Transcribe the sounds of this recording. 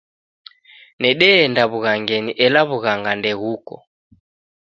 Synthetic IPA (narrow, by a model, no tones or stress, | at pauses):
nɛɗɛːndaβuɣaŋɡɛniʔɛlaβuɣaŋɡandɛɣukɔ̰